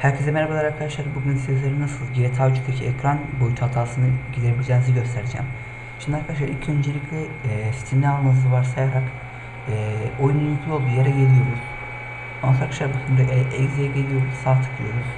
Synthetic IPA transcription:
hæɾcʰezemeɾakalˠaɾaɾkʰad̪aʃlˠaɾbuɟynsi̥t̪ʰɛzlʲeɾinasɯlˠɟiɾɛt̪ʰad͡ʒukt̪ʰacʰiɛcʰɾanbo̞jyt̪ʰhat̪ʰaːsɯnɯɟid̪ʲiɾebʲilʲd͡ʒeniziɟø̞st̪ʰeɾed͡ʒɛ̰ːm | ʃimd̪iaɾkʰad̪aʃ̬la̰ɾilʲcʰø̞nd͡ʒelʲicʰlʲɛ | si̥t̪ʰimnʲaalˠmazɯvaɾsaɛjɾak | ɛojunujykʰlʲolˠd̪uːjeɾɛɟeɾʲijoɾuz̥ | onaɾkʃaɾbuɟynd̪yɛjzijɛɟelʲijo̞ɾusaːt̪ʰɯ̥kʰɯlˠɯ̰joɾuz̥

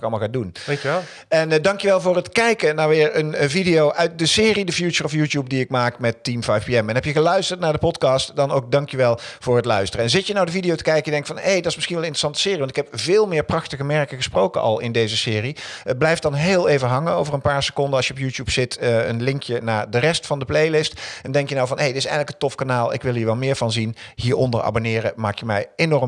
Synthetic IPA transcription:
kɑlˠmɑlˠxadun | ɛndɑŋkjəʋɛlˠvʊːɹətkɛjkənaʋɪːɹənvidijowʔœɥt̚dəsɪːridəfjut͡ʃəɹɔfjuːtjup̚diɪk̚maːkmɛtːimfajfpiɛmɛnɦɛpjəɣəlœɥstəɹtnaːɹdəpɔtkɑstdɑnowk̚dɑŋkjyʋɛlˠv̥ʊːɹɦətlœɥstərəɛnzɪtjənawdəvidijowtəkɛjkəjədɛŋktfɑnejdɑtɪsmɪsχinʋɛlˠɪntrə̥sɑntə̥sɪːriʋɑntɪ̥kɦɛpvɪːlˠmɪːɹprɑxtəɣəmɛɹkəɣəsprowkəʔɑ̰lˠɪndejzəsɪːriəblɛjftdɑnɦɪːlˠejvəɦɑŋənowvərənpaːɹsə̥kɔndəɑsʃjəɔpjutjupsɪtəə̰nlɪŋkjənaːɹdərɛstfɑndəplejlɪstɛndɛŋkjənawvɑnɦejdətɪsɛjɣənləkəntɔfkanaːlˠɪ̰kʋɪlˠɦiːɹʋɛlmɪːɹvɑnzinɦiːɹɔndəɹa̰ːbonɪːrəmaːkjəmɛjenɔɹm

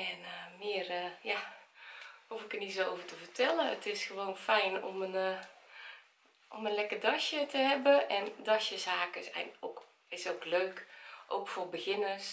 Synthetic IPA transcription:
ɛnəmɪərja | hufɪkətnisooːvərtəfərtʰɛləətɪsxəʋoːnfɛjno̰mən | ʔomənlɛkədɔʃjətʰəhɛbəɛndɔsjəsaːkəsɛ̰ok | ɪsokløːkʔo̰kfobəxɪnəs

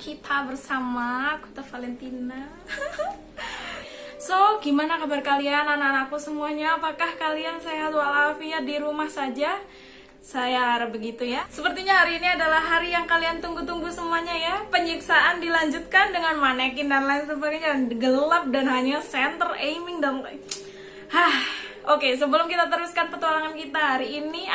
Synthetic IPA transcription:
kʰit̪ʰabərsamaku̥t̪afalɛnt̪ina | soɡimanakabarkalianananakusəmuaɲaːpakahkaliansajat̪ualafiadiɾumahsad͡ʒa | sajaːɾbəɡit̪ujasəpərt̪iɲaɦaɾiːniadalahːaɾijaŋkaliant̪uŋɡut̪uŋɡusəmuaɲajapəɲiksaʔandilaɲd͡ʒut̪̚kandəŋanmanakindanlaɪnt̪ubaɡaɲaɡəlap̚danɦaɲasɛnt̪ərejmɪŋda | hahʔokes̬əbəlʊmkit̪at̪əɾuskanpət̪walaŋankit̪aɦaɾiːni

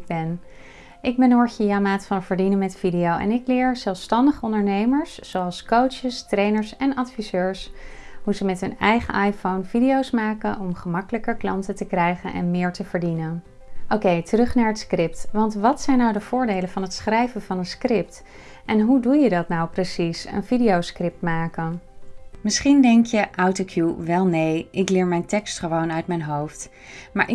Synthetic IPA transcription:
bɛn | ʔɪɡ̚bɛnɔɹxiamaːtfɑnvəɹdinənmɛtfidijowɛ̰nɪklɪːɹz̥ɛlˠfstɑndəχəɔndəɹnejməɹszowɑlˠskowt͡ʃəstrejnəɹsɛnɑtfizøːɹsɦuzəmɛtɦɵnɛjχə̰ʔɑjfownvidiowsmaːkənʔɔmχəmɑkələkəɹklɑntətəkrɛjχənʔɛ̰nmɪːɹtəv̥əɹdinən | ʔowkejtərɵχnaːɹɦətskrɪptʋɑntʋɑtsɛjnːawdəv̥ʊːɹdejlənvɑnɦətsχrɛjvənvɑnənskrɪp̚t | ʔɛnɦudujədɑtnawprəsisə̰nvidiowskrɪp̚tmaːkənmɪsχindɛŋkjəʔawtokʰjuʋɛlˠnejʔɪklɪːɹmɛjntɛkstχəʋownœɥtmɛjnɦowft | maːɹʔɪ

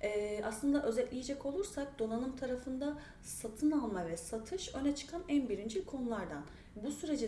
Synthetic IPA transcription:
ɛaslˠɯnd̪aʔø̞zɛt̪lʲijed͡ʒɛko̞lˠuɾsak̚d̪̥o̞nanɯmt̪ʰaɾafɯnd̪a | sat̪ʰɯnalˠmavɛsat̪ʰɯʃø̞nɛt͡ʃʰɯ̥kʰanænbiɾind͡ʒikʰo̞nulˠaɾd̪an | busyɾe̞d͡ʒi

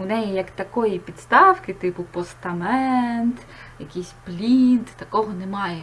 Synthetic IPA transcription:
nɛjɛjɐkt̪ɐkɔjipʲit̪st̪ɑwkɪt̪ɪpʊpɔst̪ɐmɛnt̪ | jɐkʲisʲplʲint̪t̪ɐkɔɦɔnɛmɑjɛ

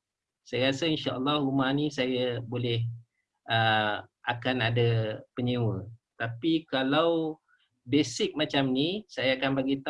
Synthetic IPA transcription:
sajaɾasəinʃaʔəlːɔhlumanĩsajabolɛh | ʔəʔakanadapəɲewət̪apikalaw | besɪk̚mat͡ʃamnisajaːkanbaɡit̪

